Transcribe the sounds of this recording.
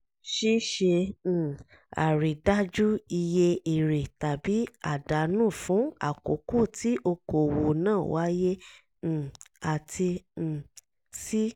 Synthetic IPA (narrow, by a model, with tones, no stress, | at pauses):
ʃi˦ʃẽ˧˨ | a̰˨ɾi˨da˦d͡ʒu˦i˧je˧i˨ɾe˨ta˨bi˨˦a˨da˨˦nũː˦˨fũ˨˦a̰˦˨ko̰˨ko˦˨tʰi˨˦ʔo˧ko˨wo˨nãː˦˨wa˨˦jẽ˦˨ | a˨tʰĩ˧˨ | si˦